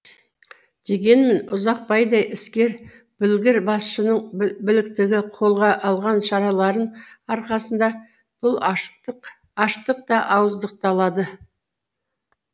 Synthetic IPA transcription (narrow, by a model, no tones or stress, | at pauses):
ʒ̥eɡʲe̞nme̞nʊzɑq̚pɑjd̪ɑjʔɪskʲe̞ɾ | b̥ɪlɡʲɪɾbɑsʃənəɴbɪlɪkt̪ɪɡʲɪqʰo̞lˠʁɑʔɑlˠʁɑnʃɑɾɑlˠɑɾən | ɑɾqɑsənd̪ɑ | b̥ʊlˠq | ɑʃqt̪əq̚t̪ɑʔɑwəzd̪əq̚t̪ɑlˠɑd̪ə